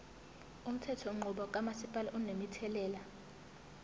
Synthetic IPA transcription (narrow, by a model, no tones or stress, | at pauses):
um̩tʰɛtʰɔŋ͡ǃuɓɔk̬ʼamasipʼalaʔunemitʰɛlɛːla